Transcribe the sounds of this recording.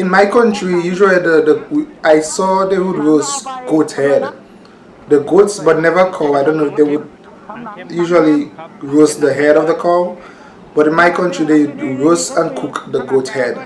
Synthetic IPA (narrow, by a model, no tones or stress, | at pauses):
ɪ̃nmajkʰʌ̃ntɹijuʒəlidədəajsɔdewudɹosɡ̥othɛd | dəɡotsbʌtⁿnɛvəkʰɔaɪdõnːodewud̚ | juʒəliɹosdəɦɛɾɔvðəkʰɔ | b̥ʌɾĩnmaɪkʰʌ̃ntɹideɹosə̃nkʰukdəɡothɛd